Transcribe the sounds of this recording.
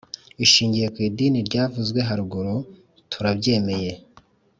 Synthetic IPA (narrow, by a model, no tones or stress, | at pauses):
iʃiːɲɟije̞kwiːdiːniɾɟaːvuzɡwe̞ɦaɾuɡo̞ɾo̞ | tʰuɾabɟe̞ːme̞je̞